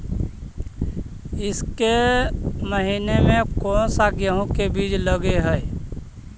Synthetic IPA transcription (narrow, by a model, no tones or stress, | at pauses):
ɪske | məɦinemẽkɔːnsaːɡjəɦõkebiːd͡ʒləɡeɦɛɪ